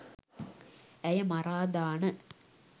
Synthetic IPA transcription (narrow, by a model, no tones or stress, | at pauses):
ɛjɐmɐɾaːd̪aːnɐ